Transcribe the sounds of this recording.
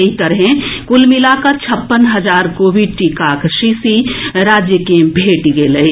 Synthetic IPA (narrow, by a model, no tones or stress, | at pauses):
ɦit̪əɾɦɛ̃kʊlmɪlakat͡ʃʰɐpːənɦɐzaːɾkobʱiʈikaːkʃisiɾaːd͡ʒjəkẽbʱeːʈɡeːləi